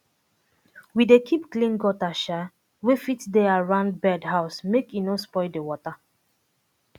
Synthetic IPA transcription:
widekʰipklĩnɡɔtaʃa | wefitdeaɹãnd̚bɛdɦaʊsmekjinõspɔɪdewɔta

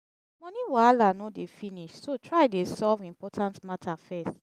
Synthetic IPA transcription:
mɔ̃niwalanɔdefiniʃsotʰɹaɪdesɔvĩmpɔtʰãntmatʰafɛst

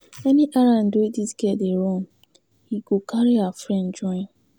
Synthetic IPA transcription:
ɛniʔaɾãndwdisɡɛdeɹɔ̃n | hiɡokʰaɹiafɹɛ̃nd͡ʒɔ̃ɪ̃n

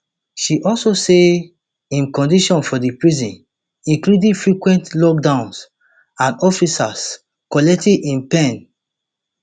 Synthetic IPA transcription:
ʃiʔɔlsose | ĩmkɔ̃ndiʃɔ̃nfɔdipɹizĩn | ĩŋkludĩfɹikwɛ̃ntlɔk̚dãʊ̃ns | ãnɔfisas | kɔlɛk̚tidĩnpɛ̃n

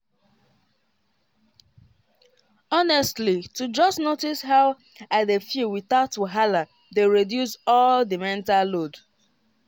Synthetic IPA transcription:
ɔnɛstlitud͡ʒɔstnotishaʊ | adefiwiθaʊtwoɦala | deɹedjusɔldimɛ̃ntalːod

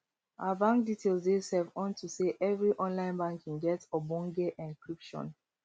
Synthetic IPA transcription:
abãŋk̚ditʰelsdesɛvɔ̃ntuseʔɛvɹiʔɔ̃nlãɪ̃nbãŋkʰĩŋɡɛtɔbɔ̃ŋɡeʔɛ̃nkɹipʃɔ̰̃n

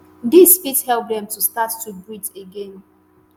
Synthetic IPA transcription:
dispithɛlp̚dɛ̃mtustatːubiteɡẽn

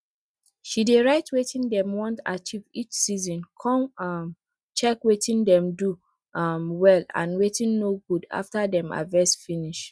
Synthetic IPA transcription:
ʃideɹaɪtwetĩndɛ̃mwɔ̃nta̰t͡ʃivit͡ʃsizɔ̃nkʰɔ̃mam | t͡ʃɛkwetʰĩndɛ̃mdu | mwɛlã̰nwetĩnːoɡuda̰ftadɛ̃ma̰vɛsfĩniʃ

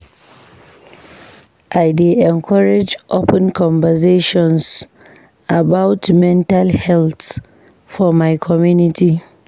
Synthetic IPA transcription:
ʔajdeʔɛŋkʰɔɹɛd͡ʒʔopɛnkɔmvɛzeːʃɔns | ʔabawtmɛntalhɛlt | fɔmajkʰɔmjunɪti

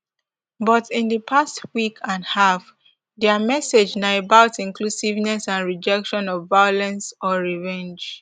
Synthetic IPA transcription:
bɔtĩndəpʰastwikʰãnhaf | dɛmɛsed͡ʒnaebaʊtĩnklusivnɛsãnɹid͡ʒɛkʃɔ̃nɔvːajɔlɛ̃nsɔɹivɛ̃nd͡ʒ

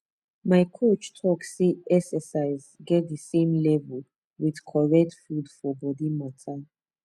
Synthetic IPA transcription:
maɪkʰot͡ʃtʰɔkseɛksəsaɪz | ɡɛt̚dəsẽmlɛvəl | wið̥kʰɔɹɛk̚tfudfɔbɔdimatʰa

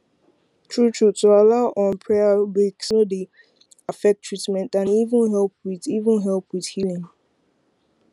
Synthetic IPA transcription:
tʰɹutʰɹutualaʊʔɔ̃npʰɹɛabiksnode | afɛk̚tʰːɹ̥itmɛ̃ntãnivə̃nɦɛlp̚wiðivə̃nɦɛlˠpwið̥hilĩŋ

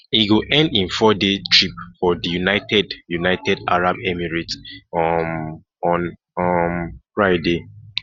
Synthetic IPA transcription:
iɡuʔɛ̃ndĩnfɔdetʰɹip̚fɔdijunaɪtʰɛdjunaɪtɛda̰ɹabɛmiɹit | ɔ̃n | mfɹaɪde

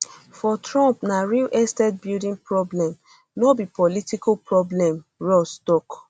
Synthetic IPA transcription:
fɔtɹɔ̃mpnaɹilʔɛstɛd̚bildĩŋpɹɔblɛ̃m | nɔbipɔlitikapɹɔblɛ̃mɹɔstɔk

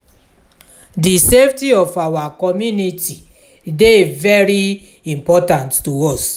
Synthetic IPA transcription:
diseftiɔfawakɔmjuniti | devɛɾi | ĩmpɔtãnttuɔs

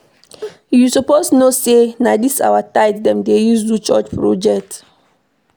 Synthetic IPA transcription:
jusɔposnosenadisa̰wataɪtdɛ̃mdejusdut͡ʃɔt͡ʃpɹɔd͡ʒɛk̚t

